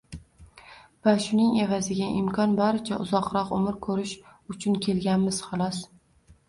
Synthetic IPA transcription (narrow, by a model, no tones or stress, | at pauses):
vaʃʊnɪŋe̞vazɪɡʲaʔɪmkʰɒnbaɾɪt͡ʃʰaʔʊzɒqɾɒqʊ̰mɪɾkʰɵɾɪʃʊt͡ʃʰʊnkʲʰe̞lɡʲanmɪz̥χɑlˠɒs